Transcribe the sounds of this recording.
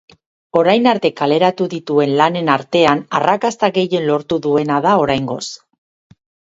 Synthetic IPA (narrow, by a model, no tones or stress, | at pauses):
o̞ɾajnaɾt̪e̞kale̞ɾat̪uðit̪ue̞nlane̞naɾt̪e̞anarʔakast̪aɣe̞je̞nlo̞ɾt̪uðue̞naðao̞ɾajŋɡo̞̰s